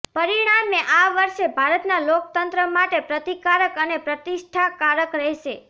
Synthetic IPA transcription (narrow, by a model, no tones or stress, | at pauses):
pəɾiɽ̃amːeʔaʋəɾʃebʱaɾət̪nalokt̪ənt̪ɾəmaʈepɾət̪ikaɾəkənepɾət̪iʃʈʰakaɾəkɾɛɦʃe